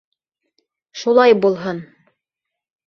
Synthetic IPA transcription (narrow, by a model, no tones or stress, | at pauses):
ʃulˠɑjbulˠɦɤn